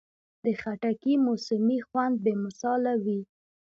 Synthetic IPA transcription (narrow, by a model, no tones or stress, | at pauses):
d̪əxaʈakimʊsʊmixwand̪̚bemʊsɑlawi